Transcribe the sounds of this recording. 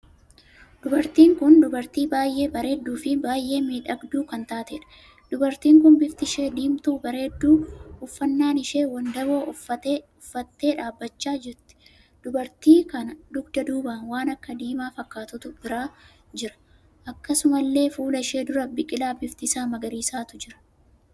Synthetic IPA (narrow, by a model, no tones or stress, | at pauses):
d̪̥ʊbɐɾt̪iːŋkʊnd̪ʊbɐɾt̪iːbaːjʔe̞ːbɐɾe̞ːd̪ːuːfɪbaːjʔe̞ːmiːᶑɐɡd̪uːkɐnt̪aːt̪eːᶑɐ̥ | d̪̥ʊbɐɾt̪iːŋkʊnbɪft̪ɪʃe̞ːd̪iːmt̪uːbɐɾe̞ːd̪ːuːʊfːɐnːaːnɪʃe̞ːwɐnd̪ɐbo̞ːɐɔfːɐt̪ːe̞ːᶑaːbːɐt͡ʃːaːd͡ʒɛɾt̪ːɪ̥ | d̪̥ʊbɐɾt̪iːkɐnɐd̪ʊɡd̪ɐd̪uːbaːnwaːnɐkːɐd̪iːmaːfɐkːaːt̪ʊt̪ʊb̥ɪɾaː | d͡ʒɪɾɐ̥ | ʔɐkːɐsʊmɐlːe̞ːfuːlɐɪʃeːd̪ʊɾɐbɪkʼɪlaːbɪft̪ɪsaːmɐɡɐɾiːsaːt̪ʊd͡ʒɪɾɐ̥